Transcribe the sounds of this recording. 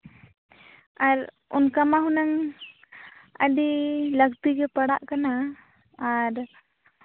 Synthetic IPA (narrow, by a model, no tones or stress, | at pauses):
aɾ | ṵnkamaɦunaŋ | ə̰ɖiləɡ̚t̪iɡɛpaɽaʔkanaː | ɾ